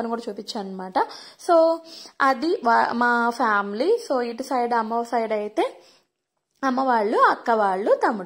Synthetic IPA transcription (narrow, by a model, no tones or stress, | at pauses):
ɐnikuːɽɐt͡ʃuːpit͡ʃːaːɐnːɐmaːʈɐsoːɐd̪iʋaːmaːpʰaːmlisoːiʈisɐjɖɐmːɐʋsɐjɖɐjit̪e̞ː | ɐmːɐʋaːɭːuɐkːɐʋaːɭːut̪ɐmːuɽ